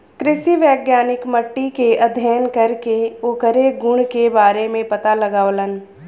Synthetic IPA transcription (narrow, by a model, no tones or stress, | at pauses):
kɾɪʃiʋɛːɡjaːnɪkməʈːikeʔɐd̪ʱjəjənkɐɾkeoːkəɾeɡʊɳ̃kebaːɾemẽpɐt̪alɐɡaːʋlən